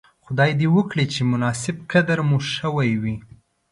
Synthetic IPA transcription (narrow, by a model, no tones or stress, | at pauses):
xʊd̪ɑjd̪ewəkɽit͡ʃemʊnɑsɪb̚kad̪aɾmuʃəwajwi